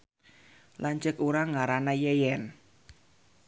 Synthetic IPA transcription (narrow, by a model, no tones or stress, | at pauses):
laɲt͡ʃəkuɾaŋaɾanajɛjɛn